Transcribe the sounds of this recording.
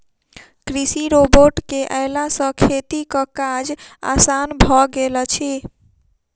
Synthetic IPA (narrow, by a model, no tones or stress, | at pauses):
kɾisiɾoboʈkeʔəɪlasə̃kʰet̪ikə̃kad͡ʒa̰sanbʱɔɡelɔt͡ʃʰi